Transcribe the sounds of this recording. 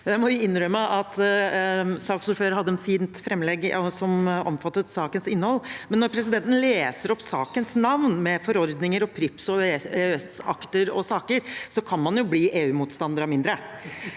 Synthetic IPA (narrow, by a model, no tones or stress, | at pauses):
d̪æɾmɔʋɪɪnːɾœmːəʔɑt̪ | sɑːksʊɾføːɾhɑd̪ːəɛnfiːnt̪fɾɛmːlɛɡɔsɔmɔ̰mfɑt̪ːət̪sɑːkənsɪnːəhɔlːmɛnːɔɾpʰɾɛsɪd̪ɛnt̪ənleːsəɾɔpsɑ̰ːkənsnɑʋnmɛfɔɾɔɾd̪nɪŋəɾɔpʰɾɪpsɔeːɛsɑ̰kt̪əɾɔ̰sɑːkəɾsɔkʰɑnmɑnjʊbliːʔeːʉːmuːt̪st̪ɑnd̪əɾɑmɪnd̪ɾə